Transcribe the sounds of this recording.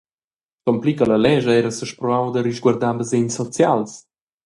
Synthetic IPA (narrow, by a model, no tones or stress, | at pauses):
kɔmplikələlɛʒəɛɾəsəʃpɾɔawd̪əɾiʒɡwaɾd̪abəzeɲsɔt͡sjals